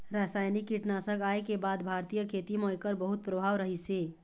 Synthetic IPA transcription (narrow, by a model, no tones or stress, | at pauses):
ɾasajnikːiʈnasə̃ɡaekebad̪bʱaɾt̪ijəkʰet̪imojkəɾbəɦut̪̚pɾəbʱaʋɾəɦise